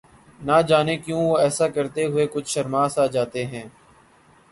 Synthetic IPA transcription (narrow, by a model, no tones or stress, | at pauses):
nad͡ʒaːnekjõːʋoːɛːsakɐɾt̪eɦʊekʊt͡ʃʰʃɐɾmaːsaːd͡ʒaːt̪eɦɛ̃ː